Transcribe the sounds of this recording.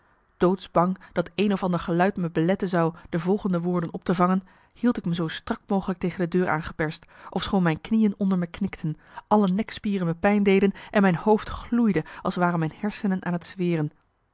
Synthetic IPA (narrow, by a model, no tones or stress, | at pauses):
d̥owtsbɑŋd̥ɑtejnɔfɑndəɹχəlœɥtməbəlɛtənzɑwd̥əvɔlˠχəndəʋʊːɹdənɔp̚təvɑŋən | hilˠtɪkməzowstrɑkmowχələk̚tejχəndədøːɹʔa̰ːnχə̥pɛɹstʔɔfsχownmɛjnknijənɔndəɹməknɪktʰən | ʔɑlənɛkspiːrənməpɛjndejdənʔɛnmɛjnhowftχlujdəʔɑlˠsʋaːrənmɛjnhɛɹsənənʔa̰ːnətsʋɪːrən